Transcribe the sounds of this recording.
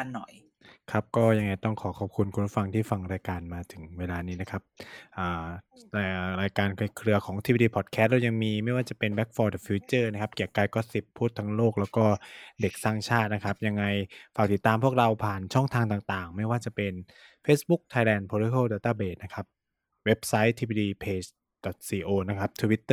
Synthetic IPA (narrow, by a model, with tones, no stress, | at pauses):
a˧nːɔ˨˩j | kʰa˦˥p̚kɔː˥˩ja˧ŋːa˧jt̪ɔ˥˩ŋkʰɔː˩˦kʰɔː˨˩p̚kʰu˧nkʰu˧nɾu˦˥˩fa˧ŋt̪ʰiː˥˩fa˧ŋɾaː˧jkaː˧nmaː˧t̪ʰɯ˩˦ŋweː˧laː˧niː˦˥na˦˥kʰa˦˥p̚ʔaː˨˩a˧˨ɾaː˧jkaː˧nkʰa˧˩jkʰɾɯ˧ɐkʰɔː˩˦ʔa˧t̪ʰi˦˥˧diː˧pʰɔː˨˩kʰɛ˧˦˥t̪̚da˧ja˧ŋmiː˧ma˥˩jwaː˥˩t͡ɕa˨˩pe˧nbɛ˦˥k̚fɔː˧dɔ˨˩fiː˧˦˥t͡ɕɤː˥˩na˦˥kʰa˦˥p̚ki˨˩əkaː˧jkɔː˥˩si˨˩pʰːuː˥˩t̪ʰːa˧˥ŋloː˥˩k̚lɛː˦˥wkɔː˥˩de˨˩k̚saː˥˩ŋt͡ɕʰaː˥˩t̪̚na˦˥kʰa˦˥p̚ja˧ŋːa˧jfaː˨˩k̚t̪i˨˩t̪ːaː˧mpʰu˥˩ək̚ɾa˧wpʰaː˨˩nt͡ɕʰɔ˥˩ŋt̪ʰaː˧ŋt̪aː˨˩ŋt̪aː˨˩ŋma˥˩jwaː˥˩t͡ɕa˨˩pe˧n | feː˦˥sbu˦˥k̚t̪ʰaː˧jlɛː˧npʰoː˧li˦kʰoː˥˩wdɔ˨˩t̪ːaː˥˩beː˨˩t̪̚na˦˥kʰa˦˥p̚ | we˦˥p̚sa˦˥jt̪ʰiː˧biː˧diː˧pʰeː˧t͡ɕ | d̥ɔ˨˩t̪̚siː˧ʔoː˧na˦˥kʰa˦˥p̚t̪ʰu˧wi˦˥t̪ːɤː˥˩